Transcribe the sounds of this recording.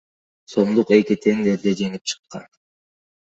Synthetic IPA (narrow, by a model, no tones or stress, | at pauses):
so̞md̪uqe̞kit̪ʰe̞ŋd̪eɾd̪ed͡ʒe̞ŋip̚t͡ʃʰɯ̥qːɑ̰n